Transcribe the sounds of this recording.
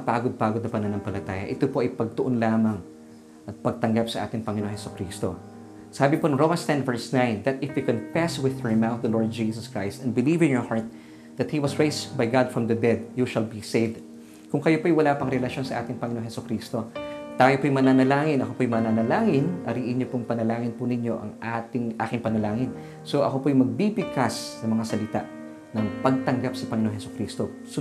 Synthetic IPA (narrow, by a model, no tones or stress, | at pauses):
paːɡod̪̚paːɡod̪nɐpɐnɐnɐŋpɐlɐt̪aːjɐ̰ʔɪt̪opo̞ʔɐjpɐɡ̚t̪oʔonlaːmɐŋ | ʔɐt̪̚pɐɡ̚t̪ɐŋɡapsɐʔa̰ːt̪ɪŋpɐŋɪnoŋhɛsʊkɾiːst̪o̞̰ | saːbɪponɐŋɹowmɐ̃nst̪ɛnvɛɹsnãjnd̪ɐt̪ɪfjukõnfɛswɪðɔɹmawt̪̚d̪ɐloɹd̪̚d͡ʒiːsɐskɹajst̪ɐnd̪̚bɪliːvɪ̃njɔɹhaɹt̪̚ | ðɐt̪̚hiwɐsɹejsbajɡad̪fɹɐ̃md̪ɐd̪ɛd̪̚juʃɐlbisevd̪ | kʊŋkɐjopoɐjwɐlaːpɐŋɾɛlɐʃo̞nsɐʔa̰ːt̪ɪŋpɐŋɪnoŋhɛsʊkɾiːst̪o̞t̪aːjopojmɐnanɐlaːŋɪnɐko̞pojmɐnanɐlaːŋɪnʔɐɾiːʔɪɲjopʊŋpɐnɐlaːŋɪnpʊnɪɲo̞ʔɐ̰ŋʔaːt̪ɪŋʔa̰ːkɪŋpɐnɐlaːŋɪn | soʔɐ̰ko̞pojmɐɡ̚bibɪkasnɐmɐŋasɐlɪt̪a̰ʔ | nɐŋpɐɡ̚t̪ɐŋɡapsɐpɐŋɪnoŋhɛsʊkɾiːst̪o | s